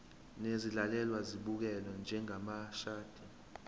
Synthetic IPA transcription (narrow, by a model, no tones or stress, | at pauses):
nezilalɛlwaziɓuk̬ɛlɔnd͡ʒʱɛŋamaʃaːd̥ʱi